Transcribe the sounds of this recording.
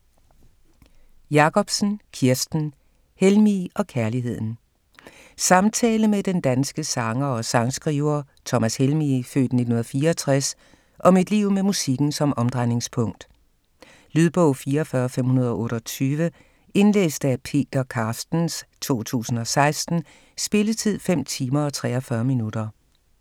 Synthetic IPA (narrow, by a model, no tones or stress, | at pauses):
jɑ̈kʰɒ̽b̥sn̩kʰiɐsd̥n̩ | helmiʔɒ̽kʰæɐliɦe̝ð̞̰ˠn̩ | sɑ̈mt͡sʰɛ̰ːləmed̥end̥ænsɡ̥əsɑ̈ŋɐɒ̽sɑ̈ŋsɡ̥ʁiːʊɐ | t͡sʰɒ̽mæshelmifø̰ːd̥ne̝d̥unhunɐfiːɐɒt͡sʰʁas | ʔɒ̽mid̥liʊ̰memusiɡ̥n̩sɒ̽mɒ̽md̥ʁɑɪne̝ŋspʰɔŋ̰d̥ | lyðˠb̥ɔʊfiːɐfɶɐfem̰hunɐð̞ˠɒ̽ʔɔ̽ːɾ̥ɒt͡sʰyːʋə | e̝nlḛːsd̥əæpʰe̝̰ːd̥ɐkʰɑ̈ːsd̥n̩st͡sʰo̝̰ːt͡sʰṵːsn̩ɒ̽sɑ̈ɪsd̥n̩ | sb̥e̝lət͡sʰið̞̰ˠfem̰t͡sʰiːmɐ̽ːt͡sʰʁɛ̰ːɒfɶɐminud̥ɐ